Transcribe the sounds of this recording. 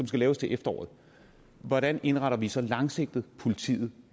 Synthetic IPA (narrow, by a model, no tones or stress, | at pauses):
sɒ̽msɡ̥ælɛːʊst͡sʰe̝ʔefd̥ɐɒ̰ːð̩ˠ | ʋɒɾæne̝nʁɑ̈ɾɐʋisɒ̽lɑ̈ŋse̝ɡ̥̚d̥ð̩ˠpʰo̝lit͡sʰḭːð̞̩ˠ